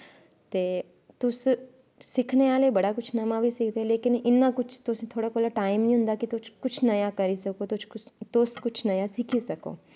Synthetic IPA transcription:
t̪eː | t̪ʊs | sɪkʰneaːlebɐɽakʊt͡ʃʰnɐmãbʱisɪk̚ʰd̪eɦɛ̃leːkɪnɪnːakʊt͡ʃʰt̪ʊst̪ʰoːɽakoːlaʈaːɪmnĩɦʊ̃nd̪akit̪ʊt͡ʃʰkʊt͡ʃʰnɐjakɐɾisɐkot̪ʊt͡ʃʰkʊt̪ʊskʊt͡ʃʰnɐjasɪkʰisɐko̰ː

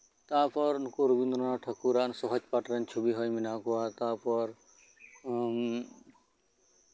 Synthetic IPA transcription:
t̪apɔɾnukoɾubind̪ɾɔnaʈʰɐkuɾaʔnsɔɦɔd͡ʒpaʈɾənt͡ʃʰubiɦɔjminakuwat̪apɔɾ

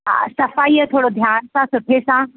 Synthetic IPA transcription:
sɐfaːiːət̪ʰoːɽod̪ʱjaːnsãsʊʈʰesã

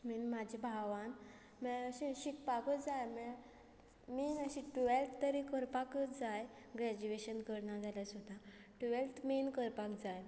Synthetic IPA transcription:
minmad͡ʑʱibʱaʋan | mɛəɕĩɕikpakəd͡zajmɛ | miːnəɕĩʈuʋelt̪ʰt̪əɾikəɾpakəd͡zaj | ɡɾɛd͡ʑueɕənkəɾnad͡zʱaljasud̪ʱa | ʈuʋelt̪ʰminkəɾpakd͡zaj

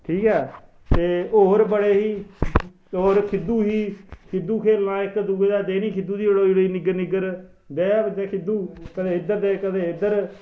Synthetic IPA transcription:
ʈʰiːkɛː | t̪eːoːɾbəɽeːɦiː | oːɾkʰɪd̪uːɦiːkʰɪd̪uːkʰeːlnãːɪkd̪uːɡeːd̪aːd̪eːniːkʰɪd̪uːd̪iːbəɽoːɪɽiːnɪɡəɾnɪɡəɾ | d̪eːd͡ʒeːkʰɪd̪uːkəd̪eːɪd̪əɾd̪eːkəd̪eːɪd̪əɾ

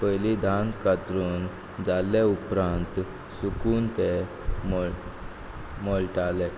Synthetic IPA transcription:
pəjlid̪ʱankat̪ɾuːn | d͡zalːeupɾãnt̪ | sukuːnt̪e | mɔ | mɔɭʈalɛ

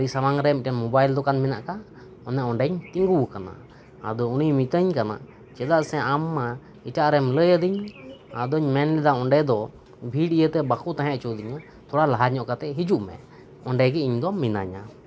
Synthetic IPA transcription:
ɾisamaŋɾɛmiʈanmɔbajld̪ɔkanmɛna̰ʔka | ɔnɛʔɔɳɖɛɲt̪iŋɡuwkana̰ː | d̪ɔunijmit̪əɲkana̰ʔ | t͡ʃɛd̪aʔsɛ̃ʔamːa | iʈaʔɾɛmləjəd̪iɲa̰d̪ɔɲmɛnlɛd̪aɔɳɖɛd̪ɔ | bʱiɖijət̪ɛbakuʔt̪ãɦɛ̃ʔt͡ʃɔd̪iɲa | t̪ʰɔɽalaɦaɲɔʔkat̪ɛɦid͡ʒuʔmɛ̰ | ɔɳɖɛɡɛiɲd̪ɔmina̰ɲa

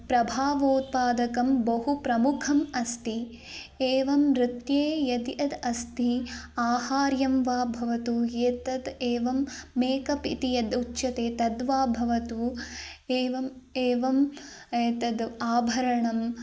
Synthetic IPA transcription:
pɾɐbʱaːʋoːt̪̚paːd̪ɐkɐmbɐɦupɾɐmukʰɐmɐst̪i | eːʋɐmɾɪt̪jeːjɐd̪jɐd̪ɐst̪iaːhaːɾjɐmʋaːbʱɐʋɐt̪ujeːt̪ɐd̪eːʋɐmːeːkɐpḭt̪ijɐd̪utːʃɐt̪eːt̪ɐd̪ʋaːbʱɐʋɐt̪u | eːʋɐmeːʋɐmeːt̪ɐd̪aːbʱɐɾɐɳɐm

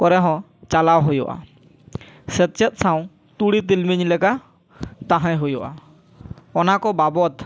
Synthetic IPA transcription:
kɔɾɛɦɔ̃ | t͡ʃalawɦojɔ̰ʔa̰ | sɛt̪̚t͡ʃɛt̪̚saw̃ | t̪uɽit̪ilmiɲlɛka | t̪ãɦãjɦujɔʔa | ɔnakɔbabɔt̪

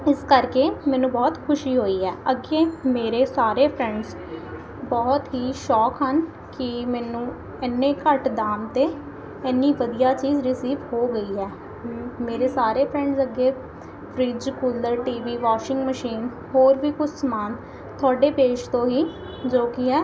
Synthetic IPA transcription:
ɪskəɾkeːmɛ̃ːnũːbɔːt̪kʰʊʃiːɦoːiːɦɛːəɡːeːmeːɾeːsaːɾeːpʰɾɛ̃ːɳɖz | bɔːt̪ɦiːʃɔːkɦən | kɪmɛːnũː | ɪnːẽːkəʈd̪aːmt̪eː | ɛːnːiːʋəd̪ijaːt͡ʃiːzɾɪsiːʋɦoːɡəiːɦɛː | meːɾeːsaːɾeːpʰɾɛ̃ːɳɖzəɡeː | pʰɾiːd͡ʒkuːləɾʈiːʋiːʋaːʃɪŋɡməʃiːn | hoːɾʋiːkʊt͡ʃʰsmaːn | t̪ʰʊaːɖeːpeːʃt̪õːɦiː | d͡ʒoːkɪɦɛː

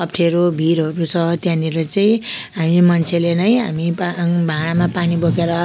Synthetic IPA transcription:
ʌp̚ʈʰeɾobʱiɾɦʌɾusʰʌt̪jãniɾʌt͡saĩɦamimʌnt͡sʰelenʌjɦa̰mipabʱaɽ̃amapanibokeɾʌ

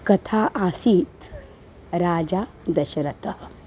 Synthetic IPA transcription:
kɐt̪ʰaːʔaːsiːt̪ | ɾaːd͡ʒaː | d̪ɐʃɾɐt̪əh

